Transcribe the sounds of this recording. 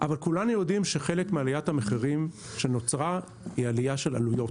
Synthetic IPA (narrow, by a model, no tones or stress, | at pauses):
ʔavalkulanujo̞dimʃeχe̞lekmealijathameχiʁim | ʃe̞no̞t͡sʁa | ialijaʃe̞la̰lujo̞t